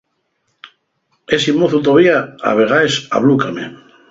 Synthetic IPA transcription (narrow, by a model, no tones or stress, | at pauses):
esimoθut̪oβiaa̰βeɣaesa̰βlukame